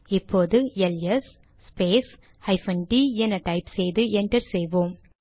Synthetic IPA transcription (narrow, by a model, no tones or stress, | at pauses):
ɪpːoːðɯɛlɛsː | peːs | ɐɪfɐnɖiːɛnːɐʈɐɪpsɛjðɯʔɛɳʈɐɾsɛjʋoːm